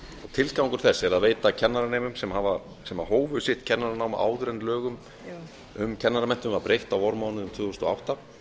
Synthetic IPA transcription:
at̪ʰɪlskawŋkʏɾ̥θɛsːɪɛɾaðveːjt̪acʰɛnːaɾaneːjmʏmsɛmhava | sɛmaɦoːwvʏsjɪht̪̚cʰɛnːaɾanaːwma̰ʔa̰ːwðɾɛnlœːɣʏm | ʏmcʰɛnːaɾamɛn̥t̪ʏmvaɾpɾejht̪awvɔɾmaːwnʏʏmt̪ʰvʏːɣʏst̪ɔa̰wht̪a

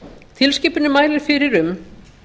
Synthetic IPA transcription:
t̪ʰɪlscɪːpʏnʏmaːjlɪɾ̥fɪɾɪɾʏm

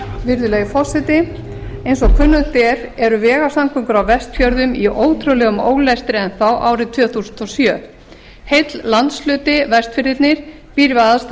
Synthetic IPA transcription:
vɪɾðʏlɛːɣɪfɔ̥sɛt̪ɪ | ejnsɔkʰvʏnːʏt̪ɛɾ̥ɛɾʏvɛːɣasamkʰʏŋkʏɾawvɛst̪fjœɾðʏmiʔoːwt̪ʰɾowlɛːɣʏmo̰ːwlɛst̪ɾɪɛnθawʔaːwɾɪt̪ʰv̥œːθusnt̪ɔsjœː | hejt̪llant̪slʏːt̪ɪvɛst̪fɪɾɪt̪nɪɾ̥ | piːɾɪvaðast̪

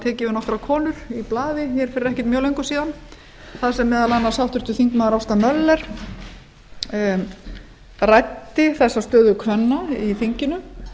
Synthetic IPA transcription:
t̪ʰɛːcɪvɪnɔft̪ɾakʰɔːnʏɾ̥iplaːðɪçɛɾ̥fɪɾɪɾɛhcɪɾt̪mjœːwlejŋkʏ̥siːðan | θaðsɛmːɛːðalanːasjawht̪ʏɾ̥t̪ʏθiŋkmaːðɾawst̪amœlːɛɾ̥ | rajt̪ːɪθɛsːast̪œːðʏkʰvœnːaiθiɲcɪnʏ

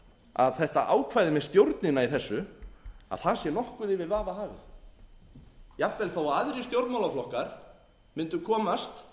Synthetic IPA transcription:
a̰ðθɛht̪aʔaːwkʰvajðɪmɛðst̪jowɾt̪nɪnaiθɛsːʏa̰ðθaðsjɛnɔhkʏðɪvɪðvaːvaɦaːvɪ̰θ | japvɛlθawaaðɾɪst̪jowɾt̪mawlaflɔhkaɾ̥ | mɪnt̪ʏkʰɔːmast̪

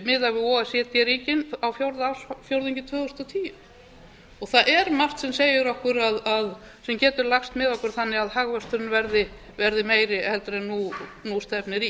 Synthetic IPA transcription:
mɪðavɪɔɛsɛt̪jɛɾiːcɪnawfjowɾðaasfjowɾðiɲcɪt̪ʰvœːɣʏst̪ɔt̪ʰiːjʏ | ɔɣθaʔɛɾmar̥t̪sɛmseːjʏɾɔhkʏɾaðað | sɛmcɛːt̪ʏɾlaxst̪mɪðɔhkʏɾ̥θanːɪaðhaɣvœ̥st̪ʏɾɪnvɛɾðɪ | vɛɾðɪmeːjɾɪhɛlt̪ɾɛnunust̪ɛpnɪɾi

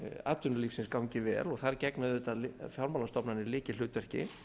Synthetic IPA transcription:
a̰t̪ʏnaliːfsɪnskawɲcɪvɛ̰ːlɔɣθaɾcɛknaðʏːt̪aðlfjawɾmalast̪ɔpnanɪlɪːcɪl̥ʏːt̪vɛr̥cɪ̰

